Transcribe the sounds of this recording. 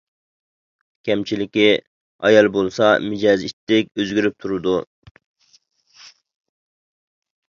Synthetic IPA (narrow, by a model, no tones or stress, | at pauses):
kʲʰɛmt͡ʃʰilɪkʲi | ɑjɑlˠbolˠsɑmɪd͡ʒɑzit̪ːɪkʲøzɡʲyɾyp̚t̪ʰuɾɨd̪u